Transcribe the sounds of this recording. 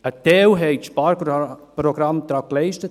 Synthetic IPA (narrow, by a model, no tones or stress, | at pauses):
ətɛːwɦɛɪtʃpaɾpɾoɡɾamt̪ɾaklɛɪʃtət